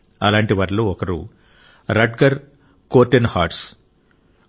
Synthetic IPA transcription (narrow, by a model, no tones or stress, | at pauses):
ɐ̰laːɳʈiʋɐːɾloːɔkɐɾṵ | ɾɐɖkɐɾ | koːɾʈenha̰ːɾʈs